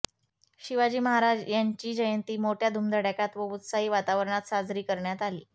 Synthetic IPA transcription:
ɕiʋad͡ʑiːməɦaɾad͡zjaɲt͡ɕiːd͡ʑəjənt̪iːmoʈʰjad̪ʱumd̪ʱəɽjakat̪ʋəut̪saɦiːʋat̪aʋəɾəɳat̪sad͡zɾiːkəɾɳjat̪alḭː

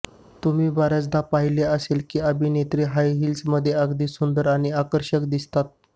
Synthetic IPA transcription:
t̪um̤iːbaɾjat͡sd̪apaɦileəselkiːəbʱiːnet̪ɾiːɦajɦiːlsməd̪ʱːjeəɡd̪iːsund̪əɾaɽ̃iakəɾɕəkd̪ist̪at̪̚

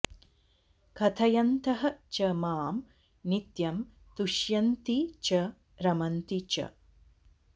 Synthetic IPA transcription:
kʰɐt̪ʰɐjɐnt̪ɐɦɐt͡ʃɐmaːm | nit̪jɐm | t̪uʃjɐnt̪it͡ʃɐ | ɾɐmɐnt̪it͡ʃɐ̰

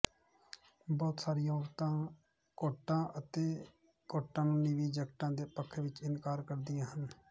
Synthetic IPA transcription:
bɔːt̪saːɾijãːɔːɾt̪ãː | koːʈːãːʔət̪eː | koːʈãːnũːniʋiːd͡ʒəkʈãːd̪eːpəkʰʋɪt͡ʃɪnkaːɾkəɾd̪ɪjãːɦən

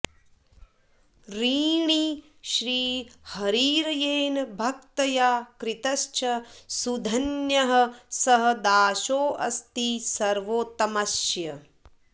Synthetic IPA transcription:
ɾiːɳi | ʃɾiːhɐɾiːɾɐjeːnɐbʱɐk̚t̪ɐjaːkɾɪt̪ɐʃt͡ʃʰɐsud̪ʱɐnjɐɦɐ̆sɐɦɐ̆d̪aːʃoːʔɐst̪isɐɾʋoːt̪ɐmɐʃjɐ

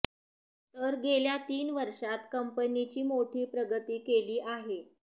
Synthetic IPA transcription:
t̪əɾɡeljat̪iːnʋəɾʂat̪kəmpənit͡ɕiːmoʈʰiːpɾəɡət̪iːkeliːʔaɦe

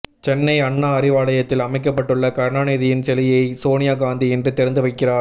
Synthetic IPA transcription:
t͡ʃɛnːɐɪɐɳːaɐrɪʋaːɭɐjɐt̪ːɪlɐmɐɪk̬ːɐpːɐʈːɯɭːɐkɐɾnaːnɐːðɪjɪnt͡ʃɛlɪjɐɪsoːnɪjaːɡaːnd̪iɛndrɯt̪ɛɾɐnd̪ɯʋɐɪkːɪraːɾ

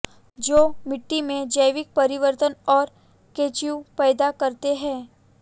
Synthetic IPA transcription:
d͡ʒoːmɪʈːimẽd͡ʒəjʋɪk̚pɐɾɪʋəɾt̪ənɔːɾ | keːt͡ʃjupɛːd̪akɐɾt̪eɦɛ̃ː

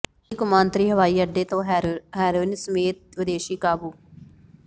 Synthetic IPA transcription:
iːkʊmãːnt̪ɾiːɦəʋaːiːəɖeːt̪õːɦɦɛːɾuːnsəmeːt̪̚ʋɪd̪eːʃiːkaːbuː

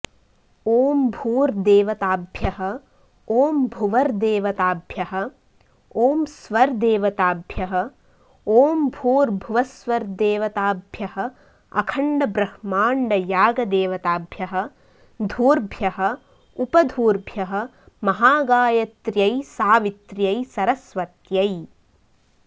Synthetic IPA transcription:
oːmbʱuːɾd̪eːʋɐt̪aːbʱjɐɦɐ̆ | oːmbʱuʋɐɾd̪eːʋɐt̪aːbʱjɐɦɐ̆ | oːmsʋɐɾd̪eːʋɐt̪aːbʱjɐɦɐ̆ | oːmbʱuːɾbʱuʋɐsʋɐɾd̪eːʋɐt̪aːbʱjɐhɐ̆ | ɐ̰kʰɐɳɖɐbɾɐhmaːɳɖɐjaːɡɐd̪eːʋɐt̪aːbʱjɐɦɐ̆ | d̪ʱuːɾbʱjɐɦɐ̆ | upɐd̪ʱuːɾbʱjɐɦɐ̆ | mɐɦaːɡaːjɐt̪ɾjɐjsaːʋit̪ɾjɐjsɐɾɐsʋɐt̪jɐj

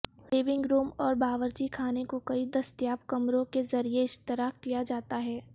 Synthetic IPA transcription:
ʋeːbɪ̃ŋɡɾuːmɔːɾbaːʋəɾd͡ʒikʰaːnekokɐid̪ɐst̪jaːpkɐmɾõkezɐɾieɪʃt̪ɪɾaːkkijad͡ʒaːt̪aɦɛː

